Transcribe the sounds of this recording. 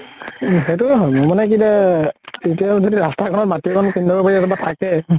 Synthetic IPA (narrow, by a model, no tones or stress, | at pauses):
ɦetuɦɔmomanɛk̬ibatetijazodiɹastakʰɔnɔtmatiokʰɔnkindʱɔbɔpaɹiɛtɔbatʰakɛ